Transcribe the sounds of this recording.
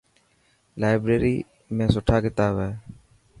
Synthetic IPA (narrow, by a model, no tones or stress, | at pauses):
lajbɾeɾiː | mẽːsoʈʰakɪt̪aːbɛː